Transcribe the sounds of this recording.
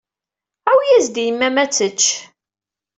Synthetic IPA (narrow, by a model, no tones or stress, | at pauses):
æwjæzd̪ijəmːæmæt͡sːət͡ʃː